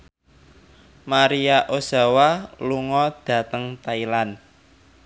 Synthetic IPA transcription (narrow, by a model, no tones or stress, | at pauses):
maɾiaʔosa̤waluŋɔd̪̥ä̤t̪əŋt̪ailan